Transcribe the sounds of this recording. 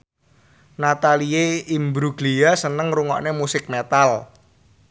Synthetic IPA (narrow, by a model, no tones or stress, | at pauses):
nat̪alieimbɾuɡlijasənəŋruŋɔ̰ʔnemusɪk̚met̪al